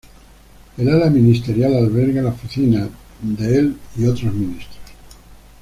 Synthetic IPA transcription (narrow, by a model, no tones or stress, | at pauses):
elalamĩnist̪e̞ɾjalalβ̞eɾɣalaofiθina | d̪eeliot̪ɾozmĩnist̪ɾos